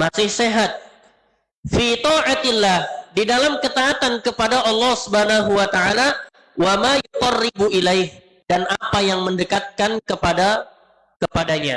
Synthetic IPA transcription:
masɪhseɦat̪̚ | fit̪ɔʕat̪ɪlːahdidalamkət̪aat̪ankəpadaʔɑlːɑhsubhanaɦuwat̪aʕala | wamajut̪ɑrːɪbuʔilajh | danʔapajaŋməndəkat̪̚kankəpada | kəpadaɲa̰

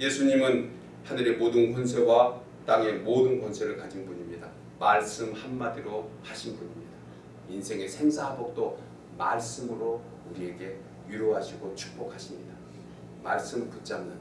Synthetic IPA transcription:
je̞sʰuɲimɯn | hanɯɾe̞modɯnhons̬ʰe̞wa | t͈aŋe̞modɯnkonsʰe̞ɾɯɭkad͡ʑinbuɲimɲida | maɭs͈ɯmhamːadiɾohaɕʰinbuɲimɲida | insʰe̞ŋe̞sʰe̞ŋsʰaɦabok̚t͈o | ma̰ɭs͈ɯmɯɾo | uɾie̞ɡe̞ | jiɾoɦaɕʰiɡot͡ɕʰu̥k̚p͈okʰaɕʰimɲida | maɭs͈ɯmput͡ɕ͈amnɯn

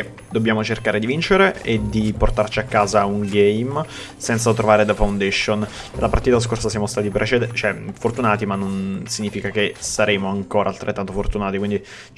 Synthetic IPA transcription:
d̪obːjaːmot͡ʃerkaːɾed̪ivint͡ʃeɾeed̪iport̪art͡ʃiakːaːzauŋɡɛjm | sɛnt̪sat̪ɾovaːɾed̪efawnd̪ɛʃːon | elːapart̪iːt̪as̬korsasjamost̪aːt̪ipɾʔet͡ʃed̪t͡ʃoɛfort̪unaːt̪imanːonsiɲːiːfikakesaɾeːmoaŋkoːɾʔaːlt̪ɾḛt̪ːant̪ofort̪unaːt̪ikwind̪i

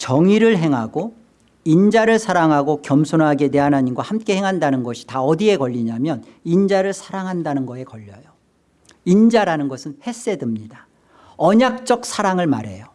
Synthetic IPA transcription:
t͡ɕʌŋiɾɯɭɦe̞ŋɦaɡo | ind͡ʑaɾɯɭsʰaɾaŋɦaɡokjʌmsʰonɦaɡe̞ne̞ɦanɦaɲinɡwahamk͈e̞ɦe̞ŋɦandanɯnɡʌɕʰi̥taʌdie̞kʌʎːiɲamjʌnind͡ʑaɾɯɭsʰaɾaŋɦandanɯnɡʌe̞kʌʎːʌjo | ind͡ʑaɾanɯnɡʌsʰɯnhe̞s͈e̞dɯmɲida | ʌɲak̚t͡ɕ͈ʌk̚sʰaɾaŋɯɭma̰ɾe̞jo

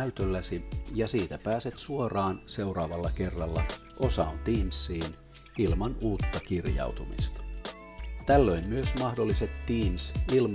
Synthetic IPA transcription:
yt̪ølːæsijɑsiːt̪æpæːset̪suorɑːnse̞wrɑːʋɑlːɑke̞rːɑlːɑ | ʔo̞sɑont̪iːmsːiːn | ilmɑnuːt̪ːɑkirjɑ̰uwt̪umḭst̪ɑ̥ | t̪ælːøimːyøsmɑhdolːiset̪tiːmsilm

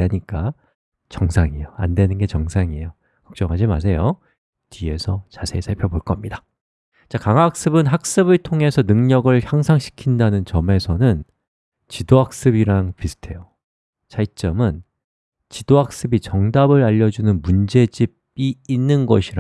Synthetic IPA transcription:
aɲik͈a | t͡ɕʌŋsʰaŋijoa̰ndwe̞nɯnɡe̞t͡ɕʌŋsʰaŋijo | kʌk̚t͡ɕ͈ʌŋɦad͡ʑima̰s̬ʰe̞jo | tʰie̞sʰʌt͡ɕasʰe̞sʰaɭpʰjʌboɭk͈ʌmɲida | t͡ɕakaŋak̚s͈ɯbɯnɦak̚s͈ɯbɯɭtʰoŋe̞sʰʌnɯŋɲʌɡɯɭçjaŋsʰaŋɕʰi̥kʰindanɯnt͡ɕʌme̞sʰʌnɯn | t͡ɕidoɦak̚s͈ɯbiɾaŋpisʰɯ̥tʰe̞jo | t͡ɕait͡ɕ͈ʌmɯn | t͡ɕid̥oɦak̚s͈ɯbit͡ɕʌŋdabɯɾaʎːʌd͡ʑunɯnmund͡ʑe̞d͡ʑib̚iinːɯnɡʌɕʰiɾa

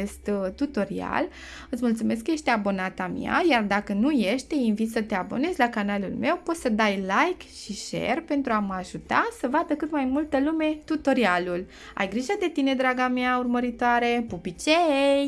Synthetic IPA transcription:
est̪t̪ut̪o̞ɾia̰l | ɨt̪sʲmult̪sume̞skəje̞ʃt̪eabo̞nat̪amj̰a̰jard̪akənuje̞ʃt̪einvit̪sət̪e̞abo̞ne̞zʲlakanalṵlme̞wpo̞t̪səd̪ajlajkʃiʃe̞̰rpe̞nt̪ɾuaməaʒut̪asəvad̪əkɨt̪majmult̪əlume̞t̪ut̪o̞ɾialul | a̰jɡɾiʒad̪e̞t̪ine̞d̪ɾaɡameaurməɾit̪oaɾe̞pupit͡ʃej

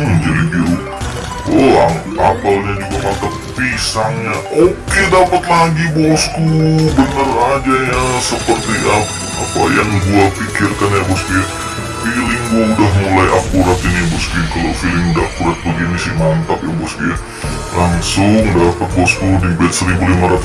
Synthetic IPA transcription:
md͡ʒadiɡiau | ɔa | apalɲad͡ʒuɡamant̪ap̚pisaŋɲaʔokedapat̪̚laɡibɔskubənərad͡ʒajasəpərt̪ia | a̰pa̰jaŋbualpikɪrkanjabɔskuja | filɪŋɡuaudaɦmulajʔakuɾat̪inibɔskujkalofilɪŋudaakuɾat̪̚bəɡinisɪhmant̪ap̚jabɔskuja | laŋsʊŋdapat̪̚bɔskudibɛt̪̚səɾibulimaɾat̪u̥

